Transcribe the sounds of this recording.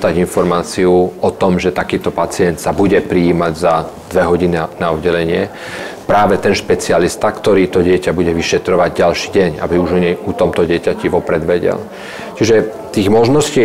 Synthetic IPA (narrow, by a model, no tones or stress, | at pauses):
d̪aɟinfɔɾmaːt͡siuɔt̪ɔmʒɛt̪akiːt̪ɔpat͡sɪɛnt̪sabuɟɛpɾiiːmaɟza | d̪ʋɛɦɔɟininaɔd̪ɟɛlɛɲɪɛ | pɾaːʋɛt̪ɛnʃpɛt͡sialist̪akt̪ɔɾiːt̪ɔɟɪɛcabuɟɛʋiʃɛt̪ɾɔʋaɟɟalʃiːɟɛɲa̰biuʒɔɲɛut̪ɔmt̪ɔɟɪɛcaciʋɔpɾɛd̪ʋɛɟɛ̰l | t͡ʃiʒɛ | t̪iːɣmɔʒnɔsciː